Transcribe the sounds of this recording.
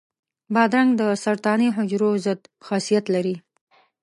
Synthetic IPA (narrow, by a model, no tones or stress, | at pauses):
bɑd̪ɾaŋɡd̪əsaɾt̪ɑniɦʊd͡ʒɾozəd̪xɑsijat̪laɾi